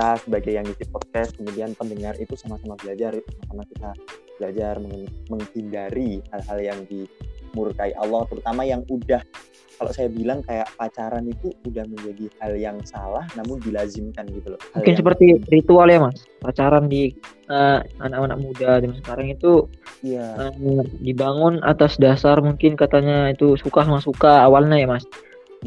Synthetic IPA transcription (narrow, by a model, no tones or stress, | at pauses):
asəbaɡajːaŋisipɔd̚kɛs̚kəmudianpəndəŋarit̪usamasamabəlad͡ʒarsamasamasit̪abəlad͡ʒarməŋməŋhindaɾihalɦaljaŋdimurkaiʔa̰lːɔht̪əɾut̪amajaŋudah | kalo̰sajabilaŋkajaʔpat͡ʃaɾanit̪uːdahməɲd͡ʒadihaljaŋsalahnamʊndilazɪmkanɡit̪ulomuŋkɪnsəpərt̪irit̪ualjamas | pat͡ʃaɾandi | əanakana̰k̚mudadəmansəkaɾaŋit̪u | əmdibaŋʊnʔa̰t̪asdasarmuŋkɪnkat̪aɲait̪usukas̬umasukaːwalɲajamas